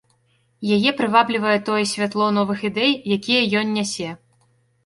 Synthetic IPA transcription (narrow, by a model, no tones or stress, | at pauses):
jajɛpɾɨvablʲivɐjɛt̪ɔjɛsʲvʲat̪lˠɔn̪ɔvɨxid̪ɛjjakʲijɐjɔnʲːasʲɛ